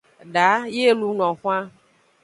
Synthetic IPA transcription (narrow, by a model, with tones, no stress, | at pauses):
ɖa˨˦je˦lu˦nɔ̃˨xũ˦ã˦